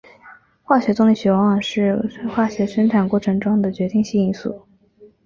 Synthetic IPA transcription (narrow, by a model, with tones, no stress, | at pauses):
xwa˥˩ɕɥɛ˧˥t͡sʊ˥ŋli˨˩ɕɥɛ˧˥wɑ˧˥ŋwɑ˨˩ŋʂɻ̩˥˩˥xwa˥˩ɕɥɛ˧˥ʂə˥nʈ͡ʂʰa˨˩nkwɔ˥˩ʈ͡ʂʰɤ˧˥ŋʈ͡ʂwɑ˥ŋd̪ə˨t͡ɕɥɛ˧˥t̪i˥˧ŋɕi˥˧i˥nsṵ˥˩